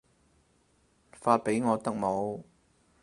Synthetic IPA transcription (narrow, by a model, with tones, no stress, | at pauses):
faː˧t̚pe˨˥jŋɔː˨˧t̪ɐ˥k̚mo˨˧w